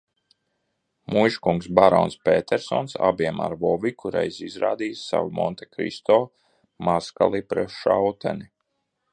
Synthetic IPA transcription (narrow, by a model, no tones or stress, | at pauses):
mujʃkuŋksbaɾɔnspet̪ʰɛɾsɔnsa̰biɛma̰ɾvɔvikʰuɾɛjsizɾaːd̪iːsːa̰wumɔnt̪ekɾḭst̪oː | maska̰lˠipɾɛʃawt̪ʰɛni